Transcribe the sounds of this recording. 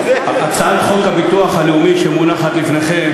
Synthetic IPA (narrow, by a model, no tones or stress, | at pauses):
ʔat͡saadχo̞khabit̪uaχhaleumiʃemunaχat̪lifneχem